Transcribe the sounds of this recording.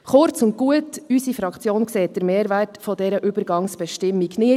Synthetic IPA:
χʊɾt͡sʊnt̚ɡ̥uətysifɾɑkt͡sjoːnkseːt̚d̥əɾmeːɾvɛtfɔdɛɾəʔybəɾɡɑŋsb̥ɛʃtɪmːiɡnɪ

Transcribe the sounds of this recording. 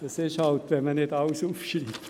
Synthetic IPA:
jɑsesɑut̪ːjɑmænet̪ɑusupsini

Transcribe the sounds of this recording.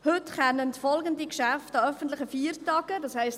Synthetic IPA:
hɵtχɛnəntfɔlɡəndikʃæftɑœfən̩tlɪχəfiːəɾtɑːɡ̥ədɑːshɛɪst

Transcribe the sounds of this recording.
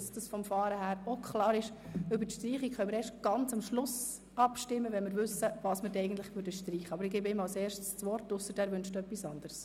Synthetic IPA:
sd̥ɑsfɔmfɑːɾəhæːɾokχlɑːɾɪʃ | ʏbəɾtʃtriːχikχœmɪɾɛːɾʃtɡ̥ɑnt͡sɑmʃlʊs | ɑpʃtɪmːəʋɛnmɪɾvʏsːəvɑːsmɪɾdɛɪɡən̩t̪lɪχmødəʃtriːχəɑbəɾɪɡeːbɪmɑlseːɾʃtst͡sʋɔrtʊsəd̥æːɾvʏnʃtd̥uœpːisɑnd̥əɾs

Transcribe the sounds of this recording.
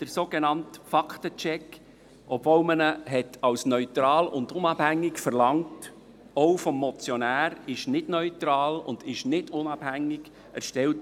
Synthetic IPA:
d̥əɾsoːɡ̥enɑntfɑktət͡ʃɛk | ɔbvoʊmənəɦɛtʰɑwsnœʏtɾɑːlʊ̰ndʊnɑb̥hæŋːɪkfəɾlɑŋt | ɔʊfɔmːɔt͡sjɔnæːɾɪʃnɪd̥nœʏtɾɑːlʊ̰ndɪʃnɪdʊnɑb̥hæŋːɪɡ̥ | ʔæ̰ɾʃtɛlt

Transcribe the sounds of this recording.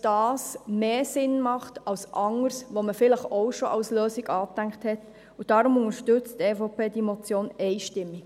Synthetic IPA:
d̥ɑːsmeːsɪnmɑχtɑwsʔɑŋəɾsʋoməfɪləχɔʊʃoʔɑwsløːsiɡɑːtæŋkthɛt | ud̥ɑɾʊmʊŋəɾʃtʏt͡steːfopeːdimɔt͡sjoːnɛɪʃtɪmːi̥

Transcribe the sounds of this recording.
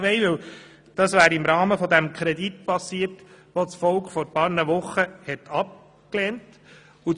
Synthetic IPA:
ʋɛɪvɪw | d̥ɑsvæːɾɪmɾɑːməfɔd̪æmkʰɾɛditpɑsiːəɾt | ʋot͡sfɔlkχfɔɾpɑːɾnəʋʊχəhɛtʰɑp̚ | kleːnt | u

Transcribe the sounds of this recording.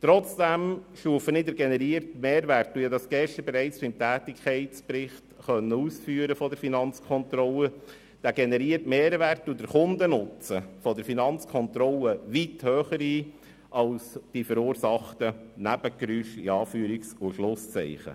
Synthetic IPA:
t̪ɾɔt͡sd̥æmʃuəfənɪdəɾɡenɛɾiərtmeːɾʋærtːudɑsɡ̥ɛʃt̪əɾbɛɾæɪt͡sbɪmtʰæːtɪkʰχɛɪt͡spɾɪχtχœnːəuːsfyːɾəfɔdəɾfinɑnt͡skʰχɔnt̪ɾɔlə | d̥æɡɛnɛɾiːəɾtmeːɾʋærtːudəɾχʊnd̪ənʊt͡səfɔdəɾfinɑnt͡skʰɔnt̪ɾɔləʋithøːχəɾiː | ʔɑlsd̥ifəɾuːɾsɑχtənæb̥əkɾyʃḭɑːfyːɾiksuʃlʊst͡sɛ̰ɪχə̰

